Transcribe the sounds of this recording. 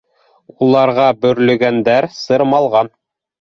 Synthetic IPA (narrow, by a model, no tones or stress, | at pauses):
ulˠɑɾʁɑbɵ̆ɾlɵ̆ɡænd̪æɾsɤ̆ɾmɑlˠʁɑn